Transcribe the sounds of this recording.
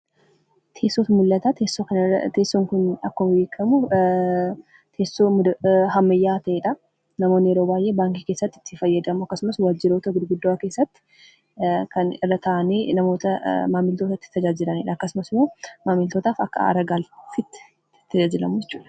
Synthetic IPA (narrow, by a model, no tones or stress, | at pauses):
t̪ʰe̞ːsːoːt̪ɐmʊlːɐt̪aːt̪eːsːokɐnt̪e̞ːsːoːŋkʊnɐkːʊmbeːkʰːɐmʊ | t̪ʰeːsːomɦɐmːɐjːaːt̪ɐʔeːᶑɐ | nɐmoːnːɪjɛɾoːbaːjʔe̞ːbaːŋkike̞ːsːɐt̪ːɪ̥t̪ːɪfɐjːɐd̪ɐmʊɐkːɐsʊmɐswad͡ʒːɪɾo̞ːt̪ɐɡʊd̪ɡʊd̪ːoake̞ːsːɐt̪ːɪ̥ | kɐnɪrːɐt̪ʰɐʔɐneːnɐmo̞ːt̪ɐmaːmɪlt̪o̞ːt̪ɐt̪ːɪ̥t̪ːɐd͡ʒaːd͡ʒɪlɐneːᶑɐːkːɐsʊmɐsɪmoːmaːmɪlt̪oːt̪aːfɐ̰kːɐ̰ɐ̰ɾɐɡaːlfɪt̪ː | t̪ːɐd͡ʒaːd͡ʒɪlɐmʊd͡ʒɛt͡ʃːuːᶑɐ̥